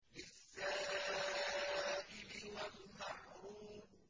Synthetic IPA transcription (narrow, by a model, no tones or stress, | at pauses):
lɪsːaː | ʔɪlɪwalmaħɾuːb